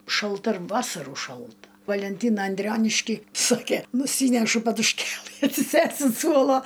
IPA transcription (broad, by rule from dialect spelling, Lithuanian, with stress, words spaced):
ʃɐlˠˈtɐ ɪr ˈʋɑːsɐruː ˈʃɐlˠtɐ ʋɐlʲɛnʲˈtʲiːnɐ ɐnʲˈdʲrʲoːnʲɪʃʲkʲiː ˈsoːkʲeː nʊˈsʲiːnʲɛʃʊ pɐdʊʃʲˈkʲeːlˠɨ ɐtʲsʲɪˈsʲeːst ʊnt ˈsuɔlˠoː